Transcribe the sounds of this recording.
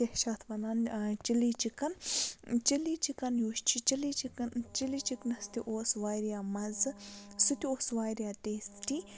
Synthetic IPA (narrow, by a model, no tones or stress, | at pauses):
ehʃɐt̪ʰʋɐnant͡ʃilit͡ʃikɐnt͡ʃilit͡ʃikɐnjuːʃt͡ʃʰit͡ʃilit͡ʃikɐnt͡ʃiliːt͡ʃiknɐst̪iʔoːsʋaːjɾijaːmɐzɨsut̪ioːsʋaːjɾijaːteːsti